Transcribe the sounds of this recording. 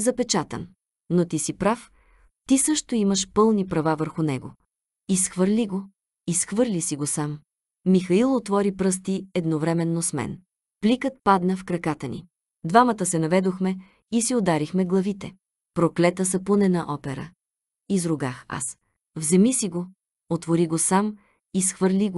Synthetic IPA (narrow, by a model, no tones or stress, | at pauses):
zɐpɛt͡ʃat̪ə̰n | not̪isipɾaf | t̪isɤʃt̪oiməʃpɤlˠnipɾɐvavəɾxʊnɛɡo̰ | isxvəɾliɡo | isxvɤɾlʲisiɡosamː | ixɐilˠot̪vɔɾipɾɤst̪iɛd̪novɾɛmɛnːosmɛ̰n | plikət̪̚pad̪nəfkɾɐkat̪ənḭ | d̪vamət̪əsɛnɐvɛd̪oxmɛ | isiod̪aɾixmɛɡlˠɐvit̪ɛ | pɾoklɛt̪əsɐpunɛnɐʔɔpɛɾə̰ | izɾʊɡaxa̰s | vzɛmisiɡo | ot̪voɾiɡosam | isxvəɾlʲiɡo